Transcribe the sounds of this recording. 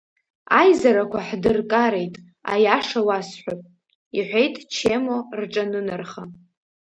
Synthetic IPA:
ajzaɾakʷʰaħdɨrkʼaɾe̞jtʼ | a̰jaʂawasħʷᶣapʼ | iħʷejtʼt͡ʃʰe̞mo̞rʈ͡ʂʼanɨnarχa

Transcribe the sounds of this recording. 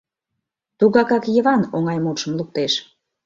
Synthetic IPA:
t̪uɣɑkɑkjə̆βɑnoŋɑjmuʃə̆mluk̚t̪eʃ

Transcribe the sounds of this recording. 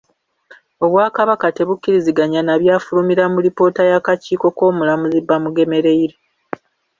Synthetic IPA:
o̞βwaːkaβakate̞βukːiɾiziɡaɲanaβjaːfulumiɾamuɾipo̞ːtajakaciːko̞ko̞ːmulamuzibːamuɡe̞me̞ɾe̞iɾe

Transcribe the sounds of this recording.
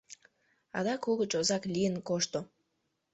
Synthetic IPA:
ɑ̰d̪ɑkuɣət͡ɕozɑklʲijənkoʃt̪o

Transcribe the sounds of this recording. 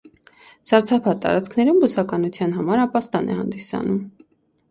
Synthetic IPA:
z̥ɑɾt͡sʰɑpʰɑt̪ːɑ̰ɾɑt͡skʰnɛɾumbusɑkɑnut͡sʰjɑnɦɑmɑɾɑpɑst̪ɑnʔɛ̰hɑ̰nd̪isɑ̰num

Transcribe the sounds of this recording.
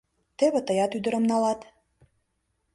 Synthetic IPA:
t̪eβĕt̪əjɑt̪yd̪ə̆ɾə̆mnɑlɑt̪

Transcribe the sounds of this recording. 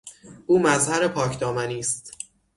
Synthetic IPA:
ʔuːmæzhæɾe̞pʰɒːcʰd̪ɒːmæniːst̪

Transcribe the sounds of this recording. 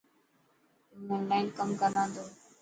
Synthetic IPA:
mũːmaɪnkəmkənãːnd̪oː

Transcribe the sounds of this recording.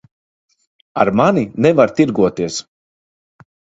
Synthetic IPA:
a̰ɾmaninɛvaɾt̪iɾɡuɔt̪iɛs

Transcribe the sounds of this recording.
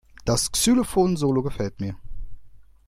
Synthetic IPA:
d̥asksylofoːnzoːloɡəfɛltmiːɐ

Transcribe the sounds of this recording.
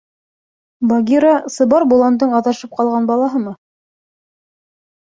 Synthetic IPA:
bɑɡʲiɾasɤ̆βɑɾbulˠɑnd̪ɤɴɑðɑʃɤp̚qɑlˠʁɑnbɑlˠɑɦɤmɤ

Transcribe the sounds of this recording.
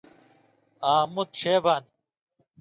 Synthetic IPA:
aːmut̪ɕeːbaːn

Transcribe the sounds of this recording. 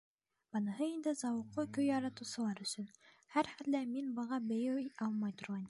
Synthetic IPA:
b̥ɤnɤ̆ɦɤind̪ɘzɑwɤ̆qːɤkɵjːɑɾɑt̪ŭsɤ̆lˠɑɾɵ̆sɵn | hæɾχælːæminbɤ̆ʁɑbɘ̆jɘwɑlˠmɑjt̪ŏɾʁɑn

